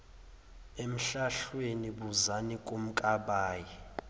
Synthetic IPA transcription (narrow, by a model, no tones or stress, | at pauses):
em̩ɬaɬweniɓuzanikʼum̩kʼaɓaːji